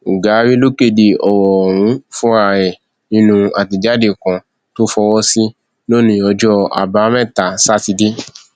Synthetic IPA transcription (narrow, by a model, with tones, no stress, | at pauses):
u˨ɡa˨˦ɾi˦lo˦ke˦˨de˨ɔ˨wɔ˨w̃ũ˨˦fɔ̃˦ɾa˧˨ɾɛ˨ | nĩ˦nũ˧a˨ti˧d͡ʒa˦de˦˨kã˨ | to˦fɔ˧wɔ˦si˦ | lo˦˨nĩ˧ɔ˧d͡ʒɔ˦a̰˨ba˨˦mɛ̃˦˨ta˨sa˦ti˧de˦